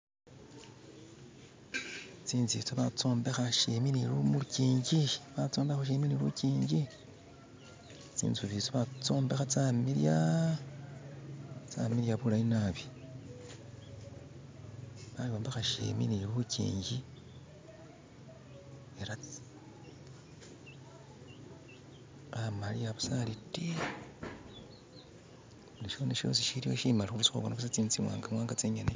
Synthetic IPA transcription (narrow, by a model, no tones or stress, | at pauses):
t͡siːnzḭt͡soβat͡so̞ːmbe̞xaʃeminilumuuciːɲɟiβat͡soːmbexaʃ̬eminilṵciːɲɟi | t͡sḭːnt͡suβit͡soβat͡so̞ːmbe̞xat͡samilja | t͡sa̰miɾjaβulajinaβi̥ | βaliwaːmbaxaʃḛmḭniβucḭːɲɟi | eɾa | amaliaβu̥saliti | uliʃo̞ːneʃo̞̰siʃiɾijo̞ʃimalixuɾusi̥xo̰βwanokusat͡siːnt͡simwa̰ːŋɡamwaːŋɡat͡seɲane